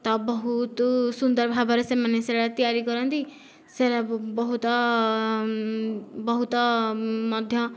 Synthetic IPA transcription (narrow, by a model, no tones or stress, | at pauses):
t̪ɔbɔɦut̪sund̪ɔɾbʱabɔɾesemaneseɾat̪ijaɾikɔɾɔnt̪i | seɾabɔɦut̪ɔ | bɔɦut̪ɔmɔd̪ʱjɔ